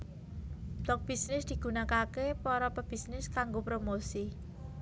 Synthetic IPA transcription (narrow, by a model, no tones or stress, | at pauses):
b̥lɔk̚b̥isnɪsd̪̥i̤ɡ̥ṳnakakepɔɾɔpəb̥isnɪskaŋɡopɾomosi